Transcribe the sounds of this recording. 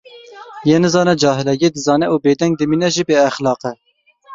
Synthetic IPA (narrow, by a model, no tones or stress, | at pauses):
jeːnɨzɑːnɛd͡ʒɑːɦɪlɛɡed̪ɨzɑːnɛuːbeːd̪ɛŋɡ̚d̪ɨmiːnɛʒiːbeːɛxlɑːqɛ